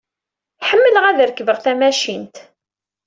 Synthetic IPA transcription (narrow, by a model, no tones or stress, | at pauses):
ħəmːələʁæðəɾkːəvəʁˤθæmæʃint̪